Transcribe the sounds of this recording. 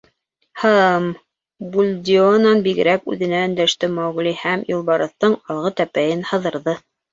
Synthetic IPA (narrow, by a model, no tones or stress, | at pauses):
hɑm | bulʲd̪ʲionɑnbiɡɘ̆ɾækʉ̰ðɘ̆næɵ̆nd̪æʃt̪ɘmæwʁlʲihæmjulˠbɑɾɤ̆θt̪ɤɴɑlˠʁɤt̪æpæjɘnhɤ̆ðɤ̆ɾðɤ